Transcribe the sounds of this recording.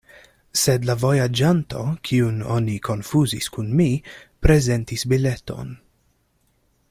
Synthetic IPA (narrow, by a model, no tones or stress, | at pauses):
sedlavo̞jad͡ʒanto̞kʰiuno̞̰nikʰo̞nfuzḭskunmipɾe̞ze̞ntisbile̞to̞̰n